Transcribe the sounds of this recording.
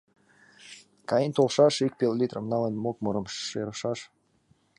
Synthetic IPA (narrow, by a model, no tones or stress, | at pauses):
kɑjint̪olˠʃɑʃik̚pʲelˠolʲit̪rəmnɑlənmok̚muɾəmʃʃeɾɤʃɑʃ